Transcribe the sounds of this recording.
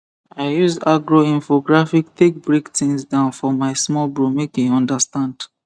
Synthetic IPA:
aɪjuzaɡɹoĩnfoɡɹafiktek̚bɹektĩŋsdãʊ̃nfɔmaɪsmɔlbɹomekĩɔ̃ndastãnd̥

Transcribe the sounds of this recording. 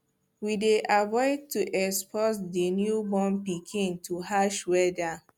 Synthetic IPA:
wideʔavɔɪd̚tuʔɛkspʰɔtdenjubɔ̃mpikʰĩntʰuɦaʃwɛda

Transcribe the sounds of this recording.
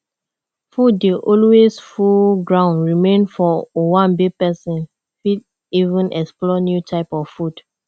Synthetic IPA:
fudːeʔɔlwesfuɡɹãʊ̃nɹimẽnfɔowãnbepɛsĩn | fid | ivũnʔɛksplɔnjutʰaɪpɔfvfud̥

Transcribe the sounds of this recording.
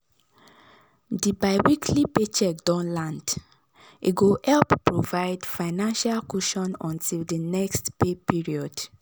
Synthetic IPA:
dibaɪwikʰlipet͡ʃɛk̚dɔ̃nlãnd | ʔḭɡohɛlppɹovaɪdfaɪnãnʃalkuʃɔ̃nɔ̃ntʰildinɛkstpepiɹiɔd

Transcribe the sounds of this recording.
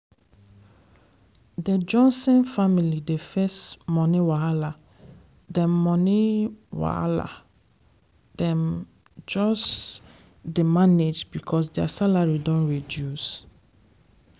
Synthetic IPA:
ded͡ʒɔ̃nsɛ̃nfamilidefɛsmɔ̃niwaala | dɛ̃mmɔ̃niwa̰a̰la̰ | d̥ɛ̃m | d͡ʒɔs | demaned͡ʒbikʰɔs̬dɛasalaɹidɔ̃nɹedjus

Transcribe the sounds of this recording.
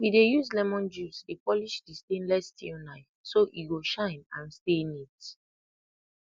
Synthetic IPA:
widejuzlɛmɔ̃nd͡ʒusdepɔliʃdistẽnlɛstĩnaɪ | soʔiɡoʃãɪ̃nãnstenit

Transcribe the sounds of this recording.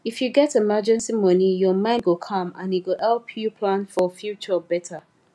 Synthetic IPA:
ifjuɡɛtemad͡ʒɛ̃nsimʌnijɔmãɪ̃ndwəkʰɔ̃mã̰nit̚wəlhɛlpʰjupʰlãnfɔfjut͡ʃəbɛtʰə

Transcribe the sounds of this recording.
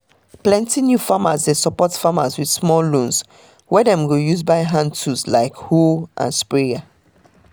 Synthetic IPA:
plɛ̃ntinjufamazdesɔpɔtfamazwidsmɔllõns | wɛdɛ̃mɡojuzbaɪɦãntʰuslaɪkhulʔã̰nspɹiɡa

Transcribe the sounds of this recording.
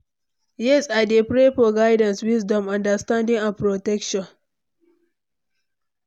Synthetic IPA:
jɛsadepɾeɸoɡajdɐnswɪsdɔmʔɐndɐstandɪŋʔanpɾotɛkʃɔn

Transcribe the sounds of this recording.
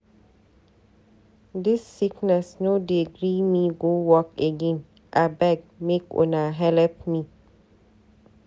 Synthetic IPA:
dɪsːiknɛsnodiɡɾimĩɡowɔkeɡẽn | ʔabɛɡ̚mekɔ̰naɦɛlɛp̚mĩ

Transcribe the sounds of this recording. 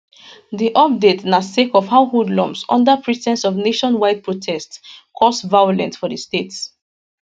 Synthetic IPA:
ðiʔɔp̚detnasekɔv̥haʊhudlɔ̃msɔ̰̃ndəpʰɹitʰɛ̃nsɔvneʃɔ̃nwaɪd̚pɹotʰɛstkʰɔsvajolɛ̰̃ntfɔðəstets

